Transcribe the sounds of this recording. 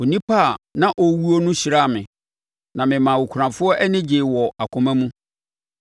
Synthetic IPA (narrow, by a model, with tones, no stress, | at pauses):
o˨nĩ˦pʰa˦˨nã˨ʔɔ˨wu˦o˦nʊ̃˦ɕi˨ɾa˦˨mɪ̰̃˨ | nã˨mɪ̃˨mã˨wo˨kʷʰu˨ɾã˨fʊ˦ɔ˦ʔɛ˦nɪ̃˦d͡ʑɪ˨wɔ˨a˨kʰʊ̃˨mã˦mũ˦